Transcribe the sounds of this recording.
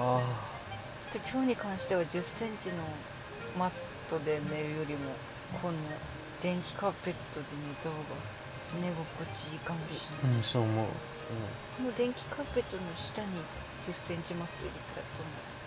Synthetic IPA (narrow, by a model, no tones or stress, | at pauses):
a | tot̪ːekʲo̞ːɲ̟ikãɰ̃ɕi̥t̪e̞βad͡ʑɨsːẽ̞ɲt͡ɕino̞ | mat̪ːo̞d̪e̞ne̞ɾɯ̟jo̞ɾʲimo̞ | kʰo̞no | d̪ẽ̞ŋkʲi̥kape̞t̪ːo̞d̪e̞ne̞t̪aɡa | ne̞ɡokːot͡ɕikãmbʲiiɯ̃soːmo̰ | ɯ̃ɴ | konod̪ẽ̞ŋkʲi̥kape̞t̪ːonoɕi̥t̪aɲ̟i | d͡ʑɨsːẽ̞ɲ̟t͡ɕimat̪ːoḭɾet̪ːaɾa̰t̪ond̪a